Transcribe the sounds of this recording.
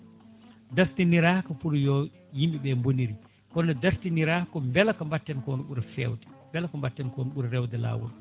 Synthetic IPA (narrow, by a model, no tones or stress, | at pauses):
daftiniɾaːhkɔpuɾjɔ | jimɓiɓɛmboniɾi | kɔnːɛdaftiniɾaːhkɔmbɛlakɔmbatːɛnkɔnuɓuɾɛfɛ̰wdɛ̥mbɛlakɔmbatːɛnkɔnuɓuɾɛɾɛwdɛla̰ːwɔ̰l